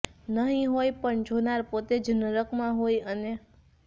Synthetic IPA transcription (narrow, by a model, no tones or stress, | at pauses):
nəɦĩɦojpəɳd͡ʒʱonaɾpot̪ed͡ʒənəɾəkmãɦojəne